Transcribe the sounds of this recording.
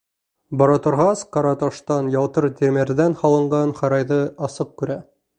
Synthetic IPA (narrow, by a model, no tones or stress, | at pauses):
bɑɾɑt̪ŏɾʁɑsqɑɾɑt̪ɑʃt̪ɑnjɑlˠt̪ɤɾt̪ʲeɾmeɾðænhɑlˠɤ̆ɴɢɑnχɑɾɑjðɤɑsɤq̚kʉɾæ